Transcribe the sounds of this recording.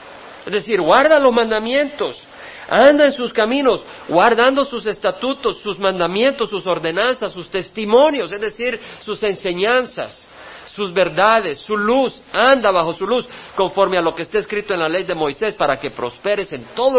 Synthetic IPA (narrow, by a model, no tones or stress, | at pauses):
ezðesiɾɡwaɾðalo̞zmãnd̪amjẽ̞nt̪o̞s | and̪aensuskamĩno̞s | ɡwaɾðand̪o̞suse̞st̪at̪ut̪o̞sːuzmãnd̪amje̞nt̪o̞sːuso̞ɾðe̞nansasːust̪e̞st̪imõ̞njo̞se̞zðe̞siɾsuse̞nse̞ɲansa̰sː | uzβe̞ɾðaðe̞sːulus | and̪aβaxo̞sulusko̞ɱfo̞ɾmealo̞keːst̪aeskɾit̪oe̞nlale̞jðe̞mo̞jse̞spaɾake̞pɾo̞spe̞ɾese̞nt̪o̞ðo